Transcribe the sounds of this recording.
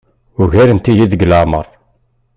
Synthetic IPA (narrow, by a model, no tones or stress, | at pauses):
ʊʝæɾənt̪ijiðəɡlamə̰rˤ